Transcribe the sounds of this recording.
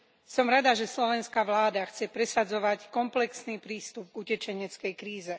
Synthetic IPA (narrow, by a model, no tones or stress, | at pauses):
sɔmɾad̪aʒɛslɔʋɛnskaʋlaːd̪axt͡sɛpɾɛsad͡zɔʋackɔmplɛksniːpɾiːst̪ub̚ɡucɛt͡ʃɛɲɛt͡skɛjkɾiːzɛ